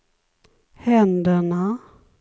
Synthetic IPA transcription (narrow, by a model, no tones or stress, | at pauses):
hɛnd̪əɳa